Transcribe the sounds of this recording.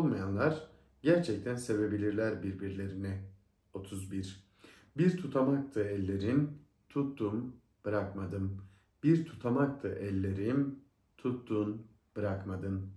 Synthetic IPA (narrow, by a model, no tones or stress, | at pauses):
olˠmajanlˠaɾ | ɟæɾt͡ʃʰɛc̚t̪ʰænse̞be̞bilʲiɾlʲæɾbiɾbiɾlʲe̞ɾini | o̞t̪ʰuzbiɾ̥ | biɾt̪ʰut̪ʰamak̚t̪ʰɯɛlʲːe̞ɾin | t̪ʰut̪ːum | b̥ɯɾakmad̪ɯm | biɾt̪ʰu̥t̪ʰamak̚t̪ʰɯʔɛlʲːe̞ɾin | t̪ʰut̪ːun | b̥ɯɾakmad̪ɯm